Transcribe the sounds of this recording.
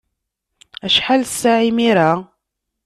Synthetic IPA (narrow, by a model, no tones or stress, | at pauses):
æʃħalsːaʕimiɾa